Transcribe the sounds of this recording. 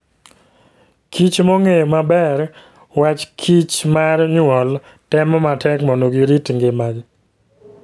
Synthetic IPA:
kʰit͡ʃmoŋejomabɛr | wat͡ʃkʰit͡ʃmarɲwɔl | tɛmɔmatʰɛkmonoɡiɾitŋɡemad͡ʒ

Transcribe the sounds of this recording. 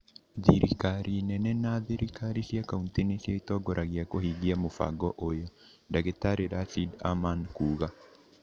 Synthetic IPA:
ðiɾikaɾʔinɛnɛnaðiɾikaɾisjakauntinesjaitɔɡɔɾʔaɣiakohiɣiamofa̰ɡɔʔojɔ | daɣetaɾeɾasida̰mankuːɣa

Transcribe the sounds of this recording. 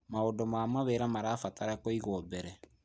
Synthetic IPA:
maodɔmamaβeːɾamaɾaːfataɾakoiɣobɛɾɛ

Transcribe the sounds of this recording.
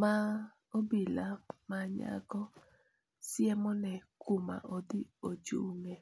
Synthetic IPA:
ma | obilamaɲa̰ɡɔ | sjɛmɔnɛkuma̰ʔodiod͡ʒṵŋɛ

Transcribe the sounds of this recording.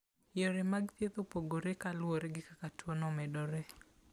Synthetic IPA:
jɔɾemaɡt̪et̪opoɡoɾekalwoɾeɡɪkakatwonɔmɛdɔɾe

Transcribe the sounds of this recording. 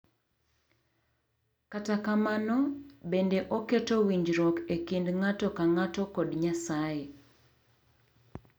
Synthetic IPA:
katakamanɔbendeʔoketowiɲd͡ʒɾɔkekindŋatɔkaŋatɔkɔdɲasaje

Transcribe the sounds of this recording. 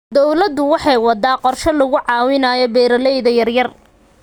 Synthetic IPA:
d̪ɔwlɐd̪ʊwɑħɑjwɑd̪aːqɔrʃɔlɐɣʊʕɑːwɪnaːjɔbɛːɾɐlɛjðɐjɐrjɐr

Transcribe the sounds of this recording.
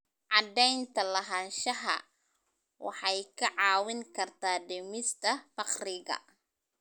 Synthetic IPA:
ʕɑd̪ɛjnt̪ʰɐlɐɦɐnʃɐɦɐ̰ | wɑ̰ħɑjkʰɐʕɑːwɪŋkʰɐrt̪ʰaːɖɛmɪst̪ʰɐfɑqrɪɣɐ̰

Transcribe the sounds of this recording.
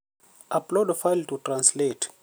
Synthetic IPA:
ʔaplɔdfajltutʰrãnslet

